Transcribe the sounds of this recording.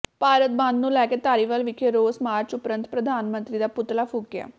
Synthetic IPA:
paːɾət̪̚bãnd̪nũːlɛːkeːt̪aːɾiːʋəlʋɪkʰeɾoːsmaːɾt͡ʃʊpɾə̃nt̪pɾəd̪ʱaːnmə̃nt̪ɾiːd̪aːpʊt̪laːpʰʊːkja̰ː

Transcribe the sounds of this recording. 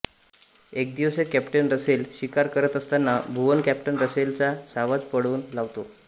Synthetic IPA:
ek̚d̪iʋsekæpʈənɾəselɕikaɾkəɾət̪əst̪anːabʱuʋənkæpʈənɾəselt͡ɕasaʋat͡spəɽuːnlaʋt̪o

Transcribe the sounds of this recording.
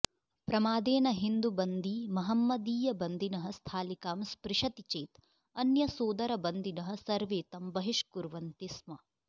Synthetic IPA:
pɾɐmaːd̪eːnɐɦind̪ubɐnd̪imɐɦɐmːɐd̪iːjɐbɐnd̪inɐɦɐ̆st̪ʰaːlikaːmspɾiʃɐt̪it͡ʃeːt̪ | ɐnjɐsoːd̪ɐɾɐbɐnd̪inɐɦɐ̆sɐɾʋeːt̪ɐmbɐɦiʃkuɾʋɐnt̪ismɐ

